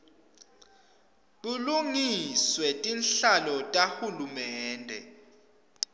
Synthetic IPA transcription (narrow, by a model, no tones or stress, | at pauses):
ɓuluŋiswɛtʼinɬalɔtʼahulumɛːndʱɛ̰